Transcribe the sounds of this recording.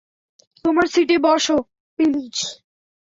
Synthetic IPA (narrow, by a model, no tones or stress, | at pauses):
t̪omaɾsiʈebɔʃo | pilid͡ʑ